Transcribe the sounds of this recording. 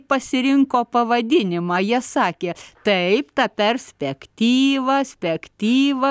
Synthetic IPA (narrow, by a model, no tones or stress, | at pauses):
pɐsʲɪɾʲɪŋkoːpɐʋɐd̪ʲɪnʲɪmɑːjiɛsɑːkʲeːt̪ɐɪpt̪ɑpʲɛɾʲsʲpʲɛkt̪ʲiːʋɐsʲpʲɛkt̪ʲiːʋɐ